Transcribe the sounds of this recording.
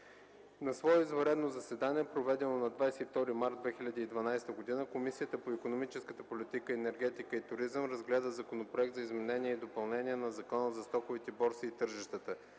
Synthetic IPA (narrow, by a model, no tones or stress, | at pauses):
nɐsvɔɛizvɐɾɛd̪nozɐsɛd̪aniɛpɾovɛd̪ɛnonɐd̪vajsɛift̪ɔɾimaɾd̪vɛxilʲɐd̪iːd̪vɐnajst̪əɡod̪inəkomisiət̪əpoikonomit͡ʃɛskət̪əpolit̪ikəɛnɛɾɡ̟ɛt̪ikəit̪ʊɾizəmɾɐzɡlɛd̪əzɐkonopɾoɛk̚t̪zɐizmɛnɛnʲiɛid̪opɐlˠnɛniɛnɐzɐkɔnəzɐst̪ɔxʊvit̪ɛbɔɾsiːt̪ɤɾʒɛʃt̪ət̪ə